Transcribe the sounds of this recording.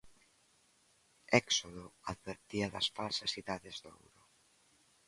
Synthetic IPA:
ɛksoðoaðβeɾt̪iɐðɐsfalsasiðaðezðo̰wɾo

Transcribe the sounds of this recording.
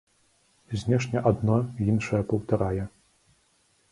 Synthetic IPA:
zʲnʲɛʂnʲɛʔad̪nɔjinʂɐjɐpɐwt̪ɐɾajɛ

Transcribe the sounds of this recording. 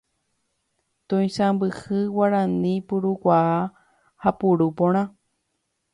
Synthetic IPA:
t̪õj̃sãmbɨhɨwaɾãnĩpuɾukʷaʔa | hapuɾupõɽ̃ã

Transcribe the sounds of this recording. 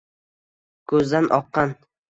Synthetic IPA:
kʰɵzd̪anʔɒqːɑn

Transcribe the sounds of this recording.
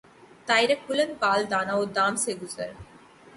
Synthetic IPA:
t̪ajɾekʰulenbaːld̪anaod̪aːmseɡuzɐ̰ɾ

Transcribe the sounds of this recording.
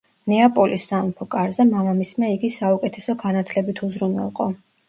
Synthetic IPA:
nɛapʼɔlʔisːampʰɔkʼaɾzɛmamamismɛiɡisaukʼɛt̪ʰɛsɔɡanat̪ʰlɛbit̪ʰuzɾunɛ̰lˠqʼɔ

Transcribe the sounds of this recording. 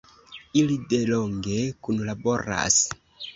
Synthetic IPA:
ilideloŋɡekunlabo̞ɾa̰s

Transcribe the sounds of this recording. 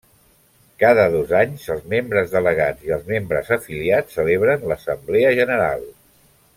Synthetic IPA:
kaðəðozaɲzəlˠzmembɾəzðələɣ̞ad͡ziəlˠzmembɾə̰zəfiliat͡sːəleβ̞ɾənləsəmbleəʒənəɾa̰lˠ

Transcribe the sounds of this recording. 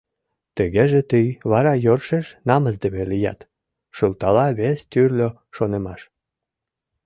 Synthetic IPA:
t̪əɣeʒĕt̪ɯjβɑɾɑjorʃeʃnɑməzd̪eβelijæ̰t̪ | ʃult̪ɑlɑβest̪yrlʲo | ʃonemɑʃ

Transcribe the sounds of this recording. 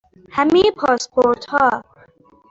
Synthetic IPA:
hæmejpʰɒːspʰoɾt̪hɒː

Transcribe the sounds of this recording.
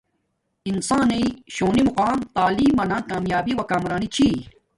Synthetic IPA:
insãːneiɕoːnimuqaːmt̪aːliːmːɐnãkaːmjaːbiwɐkaːmɾaːnit͡ɕʰiː

